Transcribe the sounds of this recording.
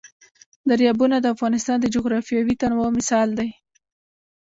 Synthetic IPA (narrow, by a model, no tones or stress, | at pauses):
d̪aɾjɑbunad̪əafɣɑnɪst̪ɑnd̪əd͡ʒoɣɾɑfjɑwit̪anwɑmɪsɑld̪aj